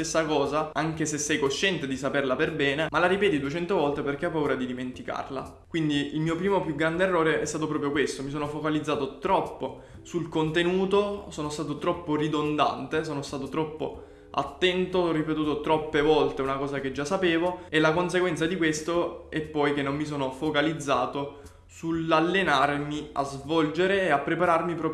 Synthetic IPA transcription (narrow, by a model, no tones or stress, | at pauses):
esːakɔːzaaŋk̟esesːɛjkoʃːɛnt̪ed̪isaperlaperbɛːnemalaɾipɛːt̪id̪uet͡ʃɛnt̪ovɔlt̪eperk̟eɔpːauːɾad̪id̪iment̪ika̰rla̰ | kwind̪iilmiːopɾiːmopjuɡɾand̪eːrːoːɾeʔɛst̪aːt̪op̬ɾɔːpɾjokwest̪omisoːnofokalid̪zaːt̪ot̪ɾɔpːo | sulkont̪enuːt̪osoːnost̪aːt̪ot̪ɾɔpːorid̪ond̪a̰nt̪esoːnost̪aːt̪ot̪ɾɔpːo̰ | a̰t̪ːɛnt̪orːipet̪̬uːt̪ot̪ɾɔpːevɔlt̪eunakɔːzaked͡ʒːasːapeːvoɛlːakons̬eɡwɛnt̪sad̪ikwest̪oɛpːɔjk̟enːommis̬oːnofokalid̪zːaːt̪o | sulalːenarmia̰zvɔld͡ʒeɾeːapːɾepaɾarmipɾɔːp